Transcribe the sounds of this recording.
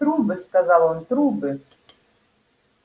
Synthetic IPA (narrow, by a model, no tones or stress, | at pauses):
t̪ɾubɨskazalˠɔnt̪ɾubɨ